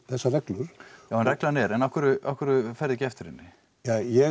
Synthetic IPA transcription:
θɛsːarɛklʏɾ̥jawhanrɛklanɛɾɛnahkʏɾʏʔahkʏɾʏfɛɾðɛcɪɛft̪ɪɾɪ̰nːɪ | jajɛ

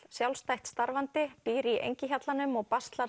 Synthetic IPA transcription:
sjawlst̪ajht̪st̪aɾvant̪ɪpiːɾiʔḛjɲcɪçat̪lanʏmɔɣpast̪la

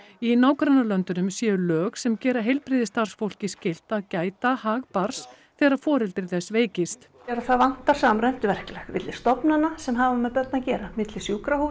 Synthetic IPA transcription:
inaːwkɾanːalœnt̪ʏnʏmsjɛːʏlœːɣsɛmcɛːɾaɦejlpɾiːðɪst̪ar̥sfowl̥cɪscɪl̥t̪aðcaːjt̪ahaːɣpaɾ̥s | θɛːɣɾaðfɔːɾɛlt̪ɪɾθɛsːveːjcɪst̪ | ɛɾaθaðvan̥t̪aɾ̥saːmrɛm̥t̪ɪvɛr̥klɛxvɪ̰t̪lɪ̥st̪ɔpnanasɛmɦaːvamːɛðpœt̪nacɛːɾamɪt̪lɪsjuːkɾahu

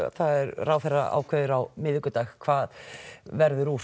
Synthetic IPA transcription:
θaðɛɾraːwθɛrːa̰a̰ːwkʰœðɪɾawmɪðɪkʏt̪axkʰvaːðvɛɾðʏɾuː

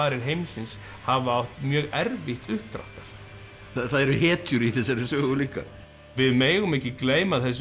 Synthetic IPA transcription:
aːɾɪɾ̥ɦejmsɪns | havawht̪mjœːɣɛɾvɪht̪ʏht̪ɾa̰wht̪aɾ̥ | θaθaðɛɾʏhɛːt̪ʰjʏɾiθɛs̬ːaɾɪsœɣuliːka̰ | vɪðmeːjɣʏmɛhcːɪkleːjmaðθɛs̬

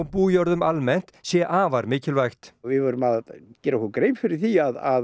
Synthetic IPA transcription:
wpuːjɔɾðʏmalmɛn̥t̪sjɛʔaːvaɾmɪːcɪlvajxt̪vɪvœɾʏmaðcɛːɾahukɾejmfɪɾɪɾ̥θiaðað

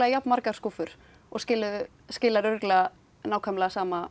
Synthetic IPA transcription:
lɛɣajapnmaɾkaɾ̥skufʏɾ̥ | ɔɣscɪːlʏðʏ | scɪːlaɾʏɾklɛɣa | naːwkʰœmlɛɣasaːma

